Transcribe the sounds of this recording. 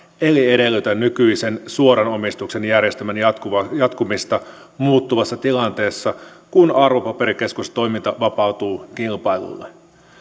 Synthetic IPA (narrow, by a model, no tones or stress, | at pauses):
e̞liede̞lːyt̪ænnykyise̞nsuo̞ɾɑno̞mist̪ukse̞njærjest̪æmænjɑt̪kuɑjɑt̪kumist̪ɑ | muːt̪ːuʋɑsːɑt̪ilɑnt̪e̞ːsːɑkunɑrʋo̞pɑpe̞ɾike̞skust̪o̞jmint̪ɑʋɑpɑut̪uːk̟ilpɑjlṵlːe